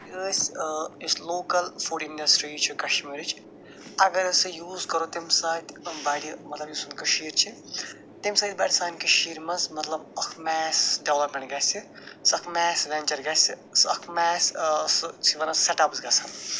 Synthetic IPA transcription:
əːsʲɨsloːkɐlfuɖinɖɐsʈɾiːt͡ʃʰikɐʃʈmiɾit͡ʃ | ɐɡɐɾɨsɨjuːzkɐɾot̪imsaːt̪ʲbaːɽimɐt̪lɐbjuːsunkɐʃiːɾt͡ʃʰi | t̪imsaːd̪̚ʲbaːɽʲisaːnkiʃiːɾmɐzmɐt̪lɐbɐkʰmɛːsɖeʋlɐpmʲẽɳʈɡasi | sɐkʰmɛːsɾɐnt͡ʃɐɾɡaːsi | sɐkʰmɛːsst͡ʃʰiʋɐnɐseʈɐpzɡɐsan

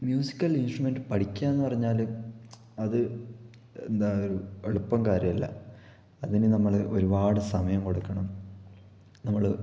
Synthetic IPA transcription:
mjuːsi̥kʲːɐlinsʈrume̞nɖɨpɐʈikʲːaːenːɨpɐrɐɲːaːl | ɐðɨ | end̪aːoɾueɭupːɐmkaːɾjɐmɐlːɐ̰ | ɐðinɨnɐmːɐɭo̞ɾubaːɽɨsɐmɐjɐmko̞ɽukːɐɳɐm | nɐmːɐɭ

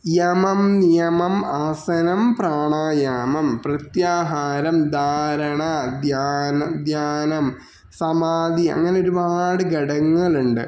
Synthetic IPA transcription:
jɐmɐmnijɐmɐmaːsɐnɐmpraːɳaːjamɐmprɐt̪jaːɦaːɾɐmd̪ʱaːɾɐɳad̪ʱjaːnɐd̪ʱjaːnɐm | sɐmaːd̪iɐ̰ŋːɐneo̞ɾubaːɽɨɡɐɽɐŋːɐɭuɳɖɨ̰

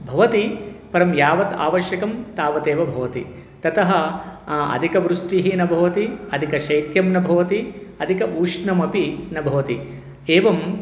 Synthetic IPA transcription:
bʱɐʋɐt̪ipɐɾɐmjaːʋɐt̪a̰ːʋɐʃjɐkɐmt̪aːʋɐt̪eːʋɐbʱɐʋɐt̪ḭ | t̪ɐt̪ɐɦɐ | ɐ̰d̪ʱikɐʋɾuʂʈiɦinɐbʱɐʋɐt̪iɐd̪ʱikɐʃɐjt̪jɐmnɐbʱɐʋɐt̪iɐd̪ʱikɐʔuːʂɳɐmɐpinɐbʱɐʋɐt̪i | eːʋɐm

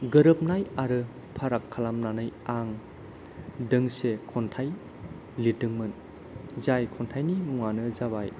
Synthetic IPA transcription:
ɡɯɾɯp̚najaɾɯ | pʰaɾakʰːalamnanɯjaŋ | dɯŋsekʰɔntʰaj | litɯŋmɯn | zajkʰɔntʰajnimuŋanɯzabaj

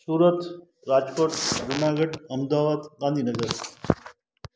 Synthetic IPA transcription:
suːɾət̪ | ɾaːd͡ʒkoːʈɾʊnaːɡəɖɐmd̪aːʋaːd̪ɡãːnd̪ʱiːnɐɡəɾ

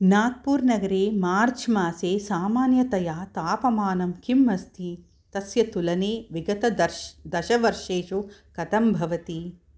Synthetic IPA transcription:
naːɡ̚puːɾnɐɡɐɾeːmaːɾt͡ʃʰmaːseːsaːmaːnjɐt̪ɐjaːt̪aːpɐmaːnɐmkʰimːɐst̪ʰi | t̪ɐsjɐt̪ulɐneːʋiɡɐt̪ɐɐd̪ɐʃɐʋɐɾʂeːʃukɐt̪ɐmbʱɐʋɐt̪i

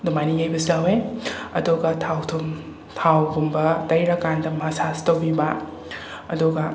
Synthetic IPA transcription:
dumaniŋɐjbɐsaweɐduɡɐtʰawtʰum | tʰawɡumbɐtɐjɾɐkandɐmasastɐwbibɐ | ɐduɡɐ

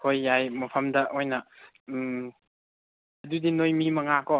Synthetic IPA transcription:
kʰojːajmɐpʰɐmdɐʔojnɐ | ɐdudinojmimɐŋakɔ

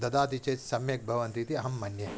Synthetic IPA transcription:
d̪ɐd̪aːt̪it͡ʃeːt̪sɐmjɐk̚bʱɐʋɐnt̪it̪iɐɦɐmːɐnjɐ

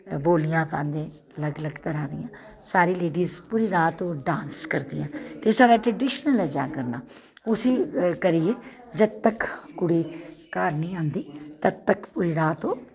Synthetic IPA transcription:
boːlɪjãːpã̰ːnd̪ẽː | ləɡləɡt̪əɾaːd̪ɪjãː | saːɾiːleːɖiːzpʊːɾiːɾaːt̪ːõːɖãːnskəɾd̪ɪjãːt̪eːsaːɾaːʈɾəɖɪːʃnəlɛːd͡ʒa̰ːkəɾnaː | ʊsiːkəɾiːeː | d͡ʒəd̪t̪əkkʊɽiːkaːɾnĩːãːnd̪iːt̪ət̪əkpʊɾiːɾaːt̪õː

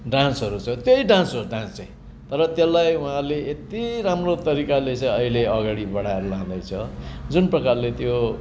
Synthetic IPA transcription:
ɖãnsɦʌɾut͡sʰʌt̪joiɖãnsoɖãnst͡sʌj̃ | t̪ʌɾʌt̪jelːajuɦãleet̪iɾamrot̪ʌɾikalet͡sʌ̃j̃ʌileʌɡaɽibʌɽaɾulãd̪ʌjt͡sʰʌd͡zunprʌkarlet̪jo

